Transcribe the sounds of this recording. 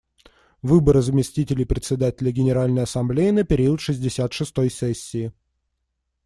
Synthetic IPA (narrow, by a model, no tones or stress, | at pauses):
vɨbəɾəzəmʲɪsʲtʲitʲɪlʲɪjpɾʲɪt̪ʲsʲɪd̪atʲɪlʲəɡʲɪnʲɪɾalʲnəjɐsɐmblʲejɪnəpʲɪɾʲiʊt̪ʂɨzʲdʲɪsʲat̪ʂɨst̪ojsesʲːɪː